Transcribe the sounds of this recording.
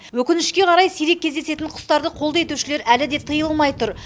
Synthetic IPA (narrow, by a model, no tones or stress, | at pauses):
wɵkʲɪnɪʃkʲe̞qʰɑɾɑjsijɾe̞kʲʰːe̞zd̪e̞se̞t̪ɪɴqʰʊ̥st̪ɑɾd̪əqʰo̞lˠd̪ɑe̞t̪uwʃɪle̞ɾælɪd̪e̞t̪ʰɨjəlˠlˠmɑjt̪ʊɾ